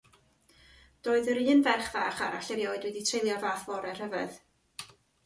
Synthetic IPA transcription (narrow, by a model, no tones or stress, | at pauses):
d̥oːɨðəɾɨːnvɛrχvaːχaɾaɬɛvjoːɨdwɛditʰrejlˠjɔvaːθvɔɾɛr̥əvɨ̰ð